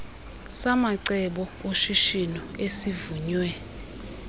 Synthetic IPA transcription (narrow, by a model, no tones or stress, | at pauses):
samaǀɛɓɔoʃiʃinɔesivuɲwɛ